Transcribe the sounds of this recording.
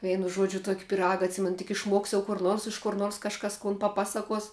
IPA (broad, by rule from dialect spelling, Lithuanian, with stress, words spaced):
ˈʋʲɛɪnʊ ˈʒuɔd͡ʒʲʊ ˈtuɔkʲ pʲɪˈrɑːɡɐ ɐtʲˈsʲɪmʲɛnʊ tʲɪk ɪʃˈmuɔks jɛʊ kʊr ˈnoːrs ɪʃ kʊr ˈnoːrs kɐʃˈkɐs kʊn pɐˈpɑːsɐkuɔs